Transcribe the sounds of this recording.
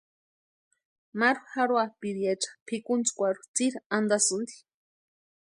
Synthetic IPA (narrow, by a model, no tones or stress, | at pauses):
maɾuxaɾwapiɾijat͡ʃḁpʰikunt͡skʷaɾu̥t͡siɾand̪asɨnd̪i̥